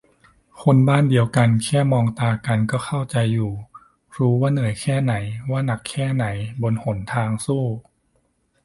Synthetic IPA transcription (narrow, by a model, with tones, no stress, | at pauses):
kʰo˧nbaː˥˩ndi˧əwka˧nkʰɛː˥˩mɔː˧ŋt̪aː˧ka˧nkɔː˥˩xʰa˥˩wt͡ɕa˧jːuː˨˩ | ɾuː˦˥waː˥˩nɯ˩˦jkʰɛː˥˩na˩˦jwaː˥˩na˨˩kʰːɛː˥˩na˩˦jbo˧nho˩˦nt̪ʰaː˧ŋsuː˥˩